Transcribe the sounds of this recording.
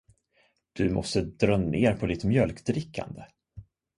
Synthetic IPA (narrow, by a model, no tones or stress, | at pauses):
d̪̥ɵmɔ̰st̪əd̪ɾœmneːɾpʰɔd̪ɪt̪mjœlkd̪ɾɪkʰːa̰nd̪ə